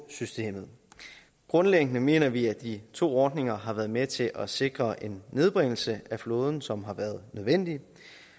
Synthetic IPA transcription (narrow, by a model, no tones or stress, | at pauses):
sysd̥e̝̰ːmð̩ˠ | ɡ̥ʁɔ̽nleɡ̥ənəme̝̰ːnɐʋiæd̥it͡sʰo̝̰ːɒːd̥ne̝ŋɐɦɑ̈ʋæːɐðˠmet͡sʰe̝lʔɒse̝ɡ̥ʁɐʔe̝nːe̝ð̞ˠb̥ʁeŋ̰l̩səʔæflɔ̽ːð̞ˠn̩sɒ̽mɦɑ̈ʋæːɐð̞ˠnøð̞ˠʋen̰d̥i